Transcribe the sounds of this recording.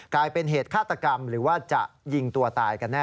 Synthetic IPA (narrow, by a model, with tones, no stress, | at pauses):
klaː˧jpe˧nɦeː˨˩t̪̚kʰaː˥˩t̪ːa˧ka˧mɾɯː˩˦waː˥˩t͡ɕa̰˨˩ʔji˧ŋt̪u˧ɐt̪aː˨jka˧nːɛː˥